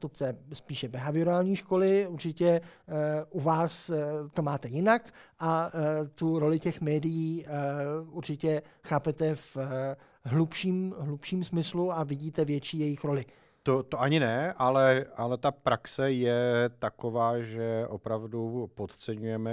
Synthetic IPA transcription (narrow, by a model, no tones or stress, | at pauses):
t̪upt͡sɛspiːʃɛbɛɦavɪɾaːlɲiːʃko̞lɪuɾt͡ʃɪcɛ | ʔuvaːst̪omaːt̪ɛjɪnakʔat̪uɾo̞lɪcɛxmɛːdɪjiː | uɾt͡ʃɪcɛxaːpɛt̪ɛf | ɦlupʃiːmɦlupʃiːmsmɪsluavɪɟiːt̪ɛvjɛt͡ʃiːjɛjɪxɾo̞lɪ | t̪ot̪oʔaɲɪnɛʔalɛʔalɛt̪apɾaksɛjɛt̪akovaːʒɛʔopɾavdupot̪t͡sɛɲujɛmɛ